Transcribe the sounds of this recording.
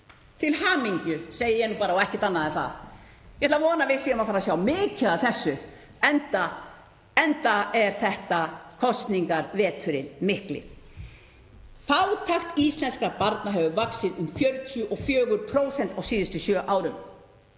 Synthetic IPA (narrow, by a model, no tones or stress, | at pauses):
t̪ʰɪlhaːmiɲcʏseːjɪjɛnːupaːɾaɔɛhcɪ̥t̪anːaðɛθa̰ð | jhɛt̪lavɔːnavɪðsiːʏmafaːɾasjawmɪːcɪðaθɛsːʏ | ɛnt̪a | ɛnt̪aɛɾ̥θɛht̪akʰɔst̪niŋkaɾvɛːt̪ʰʏɾɪnmɪhklɪ̰ | fawt̪ʰaxt̪ist̪lɛnskapaɾt̪naɦɛvʏvaksɪðʏmfjœɾt̪ʰjʏʔɔfjœːɣʏɾpʰɾoːwsɛnt̪awsiːðɪst̪ʏsjœːʔaːwɾʏm